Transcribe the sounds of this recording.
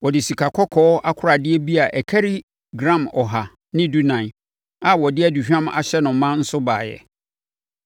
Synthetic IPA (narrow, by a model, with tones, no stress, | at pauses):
wɔ˨dɪ˨si˨kʰa˨kʰɔ˦kʰɔː˦a˦kʰʊ˦ɾa˨dɪ˦ɛ˦bi˦a˨ʔɛ˨kʰæ˦ɾi˦ | ɡɾã˦˨mɔ˨ɦa˨ | nɪ̃˦du˦nã˨ | a˨wɔ˨dɪ˦æ˦du˨ɕᶣã˦ma̰˨ɕɛ˦nʊ̃˨˦mã˦n̩˦sʊ˦ba̰ː˨jɛ̰˨